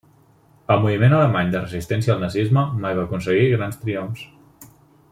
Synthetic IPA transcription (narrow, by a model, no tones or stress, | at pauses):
əlˠmuβimenələmaɲd̪ərəzist̪ɛns̬jəːlˠnəzizməmajβaːkunsəɣiɣɾanst̪ɾiomfs